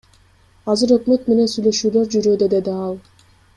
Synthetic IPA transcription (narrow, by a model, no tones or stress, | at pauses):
ɑzɯɾø̞kmø̞t̪me̞nensyjlø̞ʃyːlø̞ɾd͡ʒyɾød̪ed̪e̞d̪iɑlˠ